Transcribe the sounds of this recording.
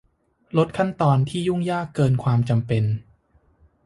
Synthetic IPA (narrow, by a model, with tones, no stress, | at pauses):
lo˦˥t̪̚kʰa˥˩nt̪ɔː˧nt̪ʰiː˥˩ju˥˩ŋjaː˥˩kːɤː˧nkʰwaː˧mt͡ɕa˧mpe˧n